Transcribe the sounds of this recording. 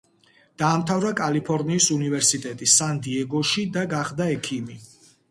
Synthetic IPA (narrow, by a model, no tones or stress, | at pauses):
d̪̥aːmt̪ʰavɾakʼalipʰɔɾniːsunivɛɾsit̪ʼɛt̪ʼisand̪iɛɡɔʃid̪aɡaχd̪aɛkʰimi